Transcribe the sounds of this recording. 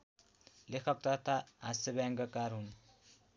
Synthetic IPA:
lekʰʌk̚t̪ʌt̪ʰaɦasebaŋɡʌkaɾɦun

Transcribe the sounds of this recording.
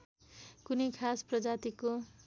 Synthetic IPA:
kunekʰasprʌd͡zat̪iko

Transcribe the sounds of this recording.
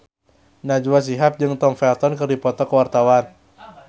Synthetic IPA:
nad͡ʒuwas̬iɦap̚d͡ʒɨŋt̪ɔmfɛlt̪ɔnkɨrdipɔt̪ɔkəwart̪awan

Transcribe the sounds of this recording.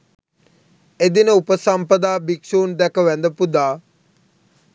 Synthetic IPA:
ed̪inəupəsampəd̪aːbikʃuːnd̪ɛkəʋænd̪əpud̪aː

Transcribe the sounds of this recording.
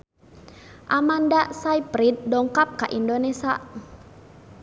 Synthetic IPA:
ʔamandasajpɾit̪̚dɔŋkap̚kaʔindonesa

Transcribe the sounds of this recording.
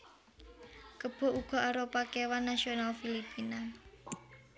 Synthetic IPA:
kəb̥ɔ̤ʔuɡ̥ɔ̤aɾopakewanːasionalfilipina

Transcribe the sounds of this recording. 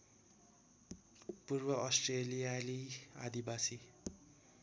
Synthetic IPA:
purbʌʔʌsʈrelijaliad̪ibasi

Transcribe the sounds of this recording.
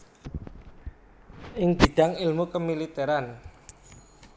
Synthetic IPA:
ʔɪŋb̥i̤ɖ̪̥aŋɪlmukəmilit̪eɾan

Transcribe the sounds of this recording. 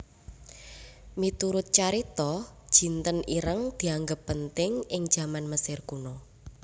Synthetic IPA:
mit̪uɾʊt̪̚t͡ʃaɾit̪ɔd̥ʒ̥i̤nt̪əniɾəŋd̪̥i̤aŋɡəpːənt̪ɪŋɪŋd̥ʒ̥a̤manməsɪrkunɔ

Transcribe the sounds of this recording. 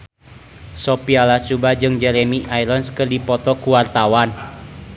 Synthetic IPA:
sɔpialat͡ʃubad͡ʒɨŋd͡ʒɛɾɛmiʔajlənskɨrdipɔt̪ɔkuwart̪awan

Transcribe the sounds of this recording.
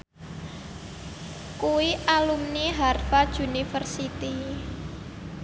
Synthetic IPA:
kuwiʔalumniɦarfad̥ʒunifərsit̪i

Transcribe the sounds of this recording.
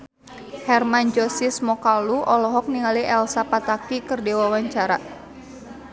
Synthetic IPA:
hɛrmand͡ʒɔsismɔkaluʔɔlɔɦɔk̚niŋaliʔɛlsapat̪akikɨrdewawaɲt͡ʃaɾa

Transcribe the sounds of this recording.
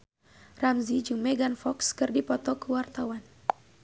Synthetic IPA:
ramzid͡ʒuŋmɛɡanfɔkskɨrdipɔt̪ɔkuwart̪awan

